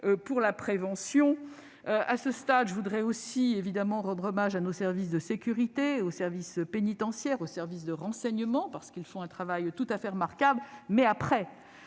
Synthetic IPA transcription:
øpuʁlapχevɑ̃sjɔ̃ | øʔa̰səst̪ad̪ʒəvud̪ʁɛosievid̪amɑ̃ʁɑ̃d̪ʁɔmaʒanosɛʁvis̬d̪əsekʲyʁit̪eosɛʁvispenit̪ɑ̃sjɛʁosɛʁvisd̪əʁɑ̃sɛɲəmɑ̃paʁsə̥kilfɔ̃ɛ̃t̪χavajt̪ut̪afɛʁəmaʁkablmɛapχɛ

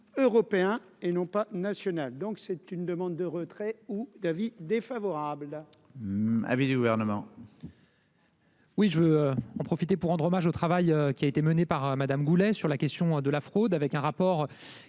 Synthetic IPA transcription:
øʁɔpeɛ̃ | enɔ̃panasjɔnald̪ɔ̃ksɛt̪ynd̪əmɑ̃d̪ːəʁət̪χɛud̪avid̪efavɔʁabl | a̰vid̪yɡuvɛʁnəmɑ̃ | wiʒəvøøɑ̃pχɔfit̪epuʁːɑ̃d̪ʁɔmaʒot̪χavajøkʲiaet̪emənepaʁømad̪amɡulɛsyʁlakʲɛst̪jɔ̃d̪əlafχod̪avɛkɛ̃ʁapɔʁ

